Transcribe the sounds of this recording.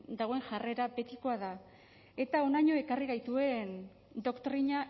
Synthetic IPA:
d̪aɣ̞o̞e̞ŋʝare̞ɾabe̞t̪iko̞aða | e̞t̪ao̞naɲo̞e̞kariɣajt̪ue̞n | d̪o̞kt̪ɾiɲa

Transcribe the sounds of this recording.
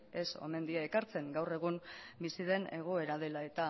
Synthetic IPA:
e̞so̞̰me̞nd̪iaekaɾt͡se̞ŋɡawre̞ɣ̞umbisiðe̞ne̞ɣ̞o̞e̞ɾað̞e̞lae̞t̪a

